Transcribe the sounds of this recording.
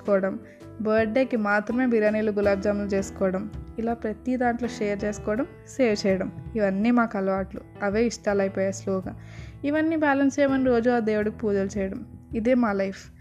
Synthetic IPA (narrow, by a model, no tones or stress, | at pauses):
kɔːɽɐm | bɐɾɖeːkimaːt̪ɾɐme̞ːbiɾaːniːluɡulaːbd͡ʒaːmlut͡ʃe̞ːsu̥kɔːɽɐmilaːpɾɐt̪id̪aːɳʈloːʃeːɐɾt͡ʃe̞ːsu̥kɔːɽɐm | ʃeːɾt͡ʃɛːjɐɽɐmiʋɐnːiːmaːkɐlɐʋaːʈlu | ɐʋeːiʂʈaːlɐjpɔːjaːsloːɡaː | iʋɐnːiːbaːlɐnsɛːjmɐniɾo̞ːd͡ʒuaːd̪e̞ːwuɽɐkipuːd͡ʒɐlut͡ʃɛːjɐɽɐmid̪eːmaːlɐjpʰ